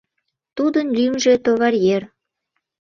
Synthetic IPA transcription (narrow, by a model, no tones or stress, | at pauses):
t̪ud̪ənlʲymʒet̪oβɑɾjer